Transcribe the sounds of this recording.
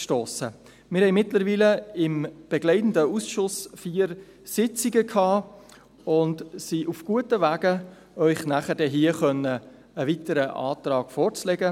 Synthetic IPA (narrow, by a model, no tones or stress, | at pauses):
ʃtoːsə | mɪɾhɛɪmɪtləɾviːləɪmb̥ɛɡlɛɪtn̩dəusʃʊsfiːəɾ | sɪt͡siɡəkʰhɑː | ʊndsiʔufɡ̥uətəvæːɡə | œʏχnæχədɛɦiːəχœnːə | əvitəɾəʔɑ̰ːt̪ɾɑːɡ̥fɔːɾt͡slɛɡə